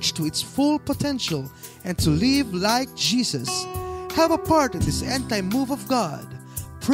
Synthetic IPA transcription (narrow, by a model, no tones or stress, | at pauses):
t͡ʃtʰəɨtsfʊlˠpətʰɛ̃nʃəl̩ˠ | ɨ̃ntʰɨlɪvlaɪk̚ʒ̥izɨshɨvəpʰɑɹɾɨ̃d̪ðɪsɛ̃ntaɪmuvʌvɡɑd̥̚pʰɹ